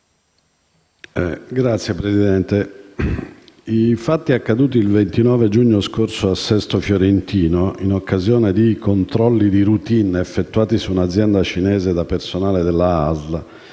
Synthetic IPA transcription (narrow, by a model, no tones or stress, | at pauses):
ɛɡɾat̪sjepɾezid̪ɛnt̪e | ifat̪ːiakːad̪uːt̪iːlvent̪inɔːved͡ʒuɲːoskorsoasːɛst̪ofjoɾent̪iːnoinokːazjɔːned̪ikont̪ɾɔlːid̪iɾut̪inefːet̪ːuaːt̪isuːnad̪zːjɛnd̪at͡ʃinɛːzed̪apersonaːled̪elːaazla